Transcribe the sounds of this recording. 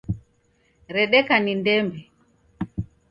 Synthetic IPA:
ɾɛɗɛkanindɛmbɛ

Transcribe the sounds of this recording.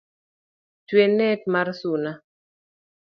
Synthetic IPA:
twenɛk̚marsuna

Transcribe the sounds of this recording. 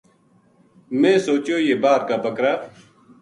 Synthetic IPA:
mẽːsoːt͡ʃjoːjeːbaːɾkaːbəkɾaː

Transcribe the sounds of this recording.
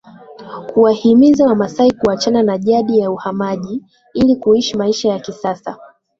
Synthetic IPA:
kuahimizamasaikuat͡ʃananaʄaɗijauhamaʄi | ilikuiʃimaiʃajakisasa

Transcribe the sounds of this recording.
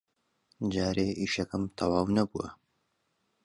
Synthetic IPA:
d͡ʒaːɾeːʔiːʃɐkɐmt̪ʰɐwaːwnɐbṵwɐ̰

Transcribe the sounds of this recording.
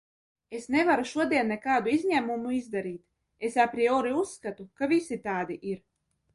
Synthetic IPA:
esnevaɾuʃuɔd̪iɛnːɛkaːd̪uizʲɲʲæmumuizd̪aɾiːt̪ | esapɾiɔɾiusːkat̪ukavisit̪aːd̪iʔiɾ

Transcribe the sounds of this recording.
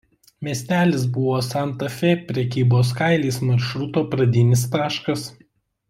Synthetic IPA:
mʲiɛsʲt̪ʲæːlʲɪsbʊʋoːsɑnt̪ɐfʲepʲɾʲɛkʲiːboːskɑɪlʲiːsmɐɾʃɾʊt̪oːpɾɐd̪ʲɪnʲɪst̪ɑːʃkɐs

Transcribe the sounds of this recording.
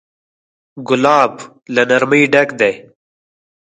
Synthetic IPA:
ɡʊlaːb | lɐnɐɾmiːɖɐkd̪ej

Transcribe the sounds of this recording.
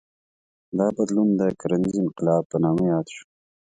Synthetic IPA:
d̪ɑbad̪lund̪əkaɾanizɪnqɪlɑb̚pːənɑmajɑːd̪ʃu̥

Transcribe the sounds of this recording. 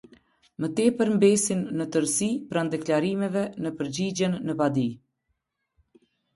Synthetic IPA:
mət̪ɛpəɾmbɛsinːət̪əɾsipɾand̪ɛklaɾimɛvɛnəpəɾd͡ʑid͡ʑɛnːəpad̪i

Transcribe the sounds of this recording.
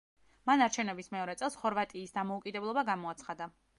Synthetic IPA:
manaɾt͡ʃʰɛvnɛbismɛɔɾɛt̪sʼɛlˠsχɔɾvat̪ʼiːsd̪amɔukʼid̪ɛblˠɔbaɡamɔat̪sʰχad̪a

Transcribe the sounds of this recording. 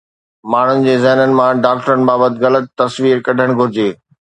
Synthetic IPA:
maːɳ̤ʊnɪ̆d͡ʑeːzɛɦnənɪ̆mãɖaːk̚ʈəɾənɪ̆baːbət̪ɪɣɐlət̪ːɐsʋiːɾkɐɖʱəɽ̃ɡʱʊɾɪd͡ʑeː

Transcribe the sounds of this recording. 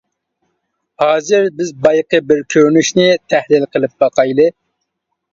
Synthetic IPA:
hɑːzɪɾbɪzbɑjqəbɪɾkʲʰøɾnyʃnɪt̪ʰæhlɪlˠqʰəlˠɪp̚bɑqʰɑjlˠɨ

